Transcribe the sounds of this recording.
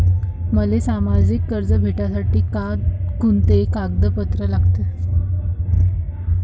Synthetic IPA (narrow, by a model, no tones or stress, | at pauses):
məlesamad͡zikːəɾd͡zəbʱeʈasaʈiːkakunt̪ekaɡd̪əpət̪ɾəlaɡt̪e